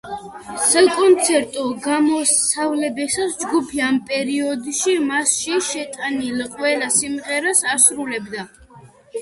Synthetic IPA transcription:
sakʼɔnt̪sʰɛɾt̪ʼɔɡamɔsavlɛbɛsasd͡ʒɡupʰiampʼɛɾiɔd̪ʃimasʃiʃɛt̪ʼanilqʼwɛlasimʁɛɾasasɾulɛbd̪a

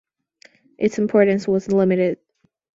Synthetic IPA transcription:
ʔɨtsɨ̃m̩pʰɔɹʔn̩swʌz̩lɪ̃mɨɾɪd̥̚

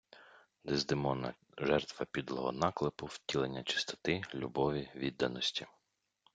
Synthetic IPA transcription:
d̪ezd̪ɪmɔnɐ̰ | ʒɛrt̪ʋɐpʲid̪lˠɔɦɔ̰nɑklˠɪpʊwtʲilˠenʲːɐt͡ʃɪ̥st̪ɔ̥t̪ɪlʲṵbɔʋʲiʋʲid̪ːɐnɔsʲtʲi

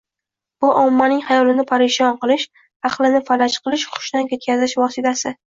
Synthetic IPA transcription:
b̥ʊʔɒmːanɪŋhajɒlɪnɪpʰaɾeʃɒnqɨlˠɪʃ | ɑχlˠɪnɪfalat͡ʃqʰɨlˠɪʃχʊ̥ʃd̪ankʲʰe̞t̪̚kʲʰazɪʃvɒsɪt̪ʰasɪ

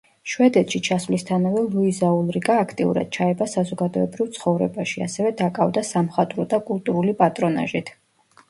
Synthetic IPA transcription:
ʃwɛd̪ɛt̪ʃit͡ʃʰasvlist̪ʰanavɛlˠuizaulˠɾiɡʼaːkʰt̪ʼiṵɾa̰d̪̥̚t͡ʃʰaɛbasazɔɡad̪ɔɛbɾivt̪sʰχɔvɾɛ̰baʃia̰sɛvɛd̪akʼavd̪asamχat̪ʼɾɔd̪akʼulˠt̪ʼuɾulipʼat̪ʼɾɔna̰ʒit̪ʰ

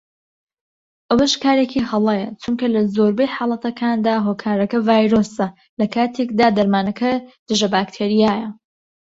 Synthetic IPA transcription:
ʔɐwɐʃkaːɾekʰiːhɐlˠejɐt͡ʃumkɐlɐzoːɾbejħɑːlˠɐt̪ʰɐkʰaːnd̪aːɦoːkʰaːɾɐkɐvaːjɾoːsɐ | lɐkʰaːt̪ʰekd̪aːd̪ɐɾmaːnɐkʰɐd̪̥ɨʒɐbaːkt̪ʰeːɾijaːjɐ

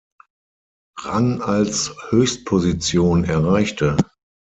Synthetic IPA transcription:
ʁa̰nalshøːçst̚pʰozit͡sjoːnɛɐʁaɪçtʰə

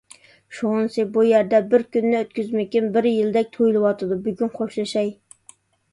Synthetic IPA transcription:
ʃonsɨbujæɾd̪ɛbɪɾkʲynːɪøt̪̚kʲyzmɪkʲinbɪɾjild̪ɛk̚ʲt̪ʰojlˠɨwɑt̪ʰɨd̪ubyɡʲynqʰoʃlˠɨʃɑj

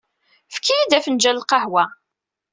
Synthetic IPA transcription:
fkʰːijid̪æfənd͡ʒællqɑhwæ

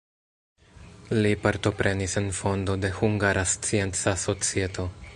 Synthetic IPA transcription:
lipaɾto̞pɾʔe̞nise̞nfo̞ndo̞de̞huŋɡaɾʔast͡sie̞nt͡saso̞t͡sie̞to̞

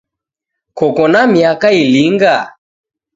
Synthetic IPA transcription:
kɔkɔnamiakailiŋɡa

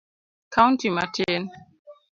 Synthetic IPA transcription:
kantima̰tʰɛn

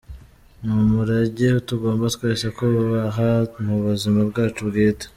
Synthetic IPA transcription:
mumuɾaɟeutuɡo̞ːmbatkweːʃakoβuβaɦamuβuzimabɡaːt͡ʃubɡiːte̥

